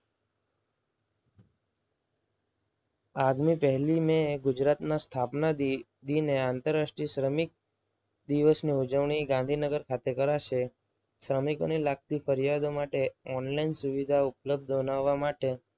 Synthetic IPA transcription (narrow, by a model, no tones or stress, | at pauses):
aɡmipəɦlimẽɡʊd͡ʒɾat̪nast̪ʰapnad̪ | d̪ineãnt̪əɾasʈɾisɾəmik̚ | d̪iʋəsniud͡ʒəʋɳ̃iɡãnd̪ʱinəɡəɾkʰat̪ekəɾaʃe | sɾəmikonilak̚t̪ifəɾijad̪omaʈeɔnlainsuʋid̪ʱaʊpləb̚d̪ʱbənaʋːamaʈe